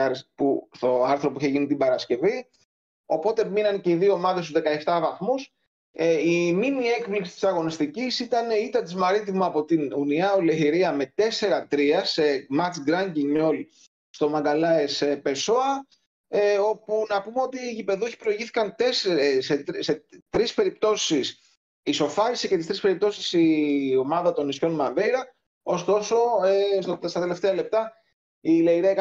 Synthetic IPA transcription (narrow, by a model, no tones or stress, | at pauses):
ɾspust̪o̞ɐɾθɾo̞puiçe̞ʝinit̪ibɐɾɐsce̞vi | o̞po̞t̪e̞minɐnce̞iðio̞ːmɐðes̬t̪uzðekɐe̞ft̪ɐvɐθmus | eiminie̞kpliksi̥t̪isɐɣo̞nist̪icisit̪ɐneit̪ɐt̪izmɐɾit̪imɐːpo̞t̪inuniɐoleçiɾiɐme̞t̪e̞se̞ɾɐt̪ɾiɐse̞mɐt͡sɡɾɐɲɟiɲo̞l | st̪o̞mɐŋɡɐlɐesepe̞so̞ɐ | o̞punɐpumeo̞t̪iːʝipe̞ðueçi̥pɾo̞iʝiθi̥kɐnt̪esseset̪ɾispe̞ɾip̚t̪o̞sis | iso̞fɐɾisice̞t̪ist̪ɾispe̞ɾip̚t̪osi̥sio̞mɐðɐt̪o̞nːisço̞nmɐɱvejɾɐ | o̞st̪o̞so̞esst̪ɐt̪ele̞ft̪eɐle̞p̚t̪ɐ | ileiɾiɐk